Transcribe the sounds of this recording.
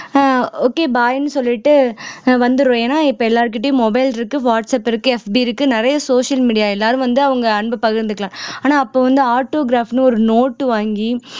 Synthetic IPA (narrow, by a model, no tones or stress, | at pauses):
oːkeːbaːjnːɯsɔlːɪʈːɯʋɐnd̪ɯɾõːjeːnaːɪpːɐɛlːaːɾɯkːɪʈːejʊ̃mɔbɐɪlɪɾɯkːɯʋaːʈsɐpɪɾɯkːɯɛfbiɪɾɯkːɯnɪɾɐjɐsoːʂɐlmiːɽɪjaːɛlːaːɾɯ̃ʋɐnd̪ɯɐʋɐŋɡɐɐɳbɐpɐɣɪɾnd̪ɯkːɐɭãːaːnaːɐpːoːʋɐnd̪ɯaːɾʈːoːɡɾaːfnɯɔɾɯnoːʈːɯʋaːŋɡi